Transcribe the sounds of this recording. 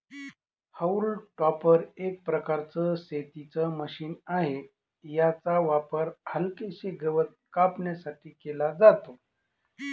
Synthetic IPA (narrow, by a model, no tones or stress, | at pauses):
həulʈɔpəɾek̚pɾəkaɾt͡səset̪it͡səməɕiːnaɦe | jat͡saʋapəɾhəlkeɕeɡəʋət̪̚kapɳjasaʈʰiːkelad͡zat̪o